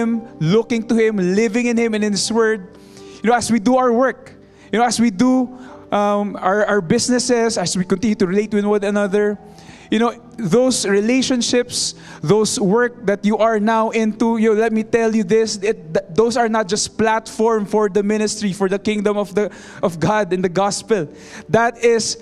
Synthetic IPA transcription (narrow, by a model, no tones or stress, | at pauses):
ɪ̃mlʊkɪ̃ŋt̪uhɪ̃mlɪvɪ̃ŋɪ̃nhɪ̃mɛ̃nɪ̃nɪswɜɹd̪̚ | jɨnoʔɐswid̪uawəɹwɜɹk̚ | jɨnoɐswid̪uʔmaaəbɪsnɛsɛsɐswikɔ̃nt̪ɪ̃njut̪ʊɹɪleɪt̪ːwɪ̃nwʌ̃nɐnʌðəɹ | jʊno | ðowsɹɪleɪʃɔ̃nʃɪps | ðowswɜɹk̚d̪ɐt̪̚juʔaɹnawʔɪ̃nt̪ujɨnolɛt̪̚mit̪ɛljuðɪsɪt̪̚dd̪owsɐɹnat̪̚d͡ʒɐs̚plat̪fɔɹmfɔɹd̪ɐmɪ̃nɪst̪ɹifɔɹðɐkɪ̃ŋd̪ɔ̃mɔfd̪ɐ | ʔɔfɡɑd̪ɪ̃nd̪ɐɡɑspɛlˠ | d̪ɐt̪ɪs